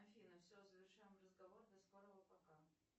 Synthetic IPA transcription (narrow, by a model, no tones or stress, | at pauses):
ɐfʲinəfsʲozəvʲɪrʂajɪmrəzɡɐvord̪ɐskoɾəvəpɐka